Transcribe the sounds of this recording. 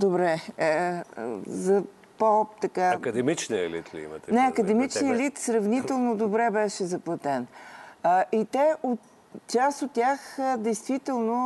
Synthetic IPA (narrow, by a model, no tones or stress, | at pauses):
d̪obɾɛ | zɐ | popt̪ɐkaɐkɐd̪ɛmit͡ʃniɛ̰lḭt̪lḭḭmɐ̰ɛnɛɐkəd̪ɛmit͡ʃniɛlit̪sɾɐvnit̪ɛlˠnod̪obɾɛbɛʃɛzɐplˠɐt̪ɛnəʔit̪ɛot̪ | t͡ʃasot̪ːʲaxəd̪ɛjst̪vit̪ɛlˠno